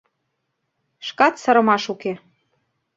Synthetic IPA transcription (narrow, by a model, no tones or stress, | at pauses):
ʃkɑt̪sɤ̆ɾɤ̆mɑʃuke